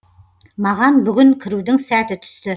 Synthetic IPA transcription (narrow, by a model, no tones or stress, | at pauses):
mɑʁɑnbʏɡʲɪŋkʲʰɪɾud̪ɪŋsæt̪ɪt̪ʰʏ̥st̪ɪ